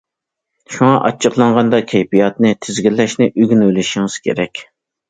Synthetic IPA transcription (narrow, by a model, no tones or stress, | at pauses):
ʃuŋɑʔɑt͡ʃʰːəqlˠɑɴʁɑnd̪ɑkʲʰɛjpijɑt̪̚nɨt̪ʰɪzɡʲilːɛʃnɪʔyɡʲynølɪʃiŋɨz̥kʲʰḛɾɛkʲ